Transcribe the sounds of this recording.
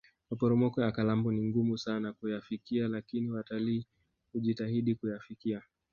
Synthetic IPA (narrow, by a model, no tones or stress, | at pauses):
mapɔɾɔmɔkɔjakalambɔniŋɡumusanakujafikialakiniwataliː | huʄitaɦiɗikujafikia